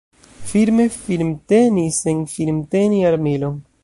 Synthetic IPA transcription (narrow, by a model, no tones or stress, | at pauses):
filme̞filmte̞nisenfilmteniaɾmilon